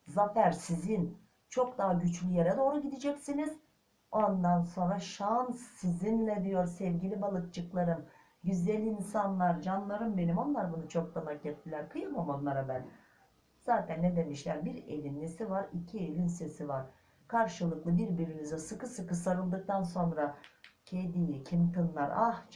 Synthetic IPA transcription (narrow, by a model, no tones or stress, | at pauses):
zafæɾsizin | t͡ʃʰo̞k̚d̪aɦaɟyt͡ʃlʲyjeɾɛd̪o̞ːɾuɟid̪id͡ʒɛcsiniz̥ | oand̪anso̞nɾaʃansːizinlʲɛd̪ijo̞ɾsɛvɟilʲibalˠɯk̚t͡ʃʰɯklˠaɾɯm | ɟyzlelʲiːnsanlˠaɾd͡ʒanlˠaɾɯmbe̞nimo̞nlˠaɾbunut͡ʃʰo̞k̚t̪anacɟɛt̪ːilʲæɾkʰɯjɯmamanlːˠaɾabæn | z̥aːt̪ʰænːed̪e̞miʃlʲæɾbiɾelʲinːesivaɾicʰie̞lʲinse̞sivaɾ̥ | kʰaɾʃɯlˠɯklˠɯbiɾbiɾinizɛsɯkɯsɯkɯsaɾɯlˠd̪ɯk̚t̪ʰanso̞nɾacʰed̪ijicʰimt̪ʰɯnlˠaɾah